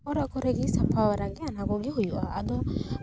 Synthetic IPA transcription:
ɔɾakɔɾeɡisapawaɾaɡeanaɡɔɡiɦujuʔa̰ad̪ɔ

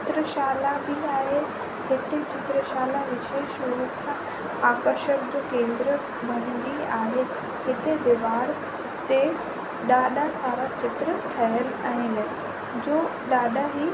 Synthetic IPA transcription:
ɪt̪ɾəʃaːlabiaːɦe | ɦɪt̪et͡ɕɪt̪ɾəʃaːlaʋɪʃeːʃuɾuksã | aːkəɾʃəkd͡ʑoːkẽːnd̪ɾə | bʱɐñɪd͡ʑiaːɦe | ɦɪt̪ed̪ɪʋaːɽ | t̪e | ɗaːɗasaːɾat͡ɕɪt̪ɾəʈʰɐɦəlaɦɪn | d͡ʑoːɗaːɗaɦi

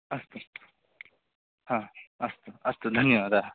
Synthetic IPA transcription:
ɐst̪o | hãɐst̪oɐst̪od̪ʱɐnjəʋad̪ʱa

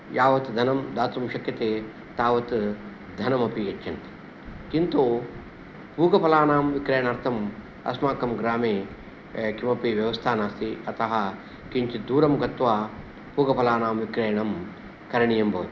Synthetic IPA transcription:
jaːʋɐt̪d̪ʱɐnɐmd̪aːt̪umʃɐkjɐt̪eː | t̪aːʋɐt̪ | d̪ʱɐnɐmɐpiɐt͡ʃt͡ʃːɐnt̪i | kint̪oː | puːɡɐpɐlaːnaːmʋikɾeːjɐɳɐɾt̪ʰɐm | ɐ̰smaːkɐmɡɾaːmeː | kimɐpiʋjɐʋɐst̪ʰaːnaːst̪ʰiɐt̪ɐɦɐ | kiɲt͡ʃid̪uːɾɐmɡɐt̪ʋaː | puːɡɐpɐlaːnaːmʋikɾeːjɐɳɐm | kɐɾɐɳijɐmbɐːt̪

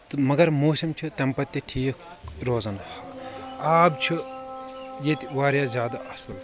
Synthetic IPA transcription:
t̪mɐɡɐɾmoːsimt͡ʃʰit̪ɐmpɐt̪ʲːiʈʰiːk | ɾoːzɐnhɐaːbt͡ʃʰi | jet̪ʲiʋaːɾjaːzʲaːd̪ɐʔɐsɐl

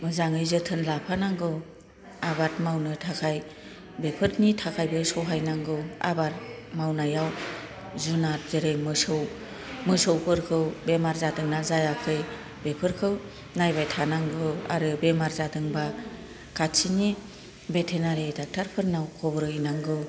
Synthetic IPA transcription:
mɯzaŋɯjzɯtʰɯnlapʰanaŋɡɯw | abatmawnɯtʰakʰaj | bepʰɯɾnitʰakʰajbɯsɔwɦajnaŋɡɯwa̰bat̚mawnajaw | zunat̚zeɾejmɯsɯw | mɯsɔwpʰɯɾkʰɯwbemaɾzadɯŋnazajakʰɯj | bepʰɯɾkʰɯw | najbajtʰanaŋɡɯa̰ɾɯbemaɾzadɯŋba | kʰatsini | betʰenaɾetak̚tʰaɾpʰɯɾnawkʰɔbɾɯjnaŋɡɯw

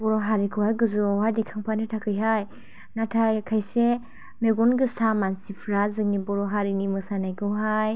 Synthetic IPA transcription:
bɔɾɔɦaɾikʰɯwhajɡɯzɯawɦajdekʰaŋpʰanɯtʰakʰɯjɦaj | natʰajkʰajse | meɡɔnɡɯsamansipʰɾazɯŋnibɔɾɔɦaɾinimɯsanajkʰɯwɦaj

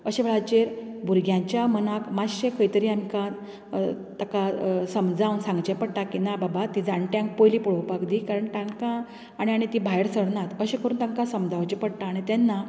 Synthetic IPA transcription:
əɕeʋeɭat͡ɕeɾ | bʱuɾɡjãɲt͡ɕjamənakmaɕekʰəjt̪əɾiːamikã | t̪akasəmd͡zawnsãŋɡt͡ɕepəɽʈ̪akinababat̪id͡zaɳʈjãŋk̚pojliːpɔɭowpakd̪ikaɾəɳt̪ãŋkãː | ɽ̃iaɽ̃it̪ibʱajɽsəɽnat̪əɕekəɾuːnt̪aŋkãsəmd͡zaʋt͡ɕepəɽʈ̪aːɽ̃it̪anːa

